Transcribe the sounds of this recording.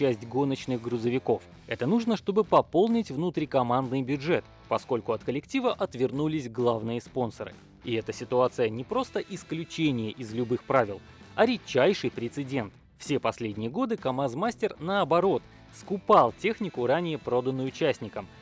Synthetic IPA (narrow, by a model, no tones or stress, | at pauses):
æsʲtʲɡo̞nət͡ɕnɨɣɡɾʊzəvʲɪko̞f | ɛt̪ənuʐnəʂt̪o̞bɨpɐpo̞lˠnʲɪtʲvnut̪ɾʲikɐmand̪nɨjbʲjʊdʐɛt̪ | pɐsko̞lʲkʊɐt̪kəlʲɪktʲivəʔɐt̪vʲɪrnulʲɪsʲɡlˠavnɨjəspo̞nsəɾɨ̰ | ɪɛt̪əsʲɪt̪ʊat̪sɨjənʲɪpɾo̞st̪əʔɪsklʲʉt͡ɕenʲɪjəʔɪzlʲʊbɨxpɾavʲɪlˠ | ɐɾʲɪt͡ɕːæjʂɨjpɾʲɪt̪sɨdʲe̞nt̪ | fsʲe̞pɐsʲlʲedʲnʲɪjəɡo̞d̪ɨkɐmazmasʲtʲɪrnəɐbɐɾo̞t̪ | skʊpalˠtʲe̞xnʲɪkʊɾanʲɪjəpɾo̞d̪ənːʊjʊt͡ɕæsʲnʲɪkəm